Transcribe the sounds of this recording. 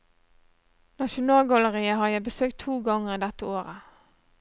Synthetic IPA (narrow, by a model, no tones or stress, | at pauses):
nɑʃʊnɑːlɡɑləʁiːəhɑːjæɪbəsøːk̚t̪ʰuːɡɑŋəʁiːd̪ɛt̪əoːʁə